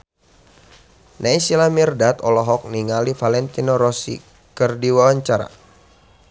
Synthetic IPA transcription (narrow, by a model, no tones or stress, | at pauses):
nʔaisilamirdat̪ɔlɔɦɔk̚niŋalifalɛnt̪inɔɾɔsḭ | kərdiwawaɲt͡ʃaɾa̰